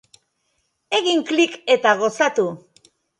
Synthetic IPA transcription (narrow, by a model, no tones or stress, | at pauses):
e̞ɣiŋklike̞t̪aɣ̞o̞sat̪u